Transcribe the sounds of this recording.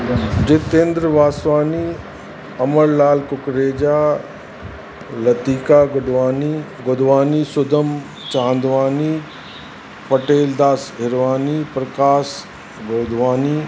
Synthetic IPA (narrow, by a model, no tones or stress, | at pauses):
d͡ʒɪt̪ẽːnd̪ɾəʋaːsʋaːni | ɐməɾlaːlkʊkɾeːd͡ʒaː | lɐt̪iːkaːɡʊɖʋaːniɡʊd̪ʋaːniːsʊd̪ʱəm | t͡ʃãːnd̪ʋaːniː | pɐʈeːld̪aːsɦɪɾʋaːniːpɾɐkaːs | ɡoːd̪ʱʋaːniː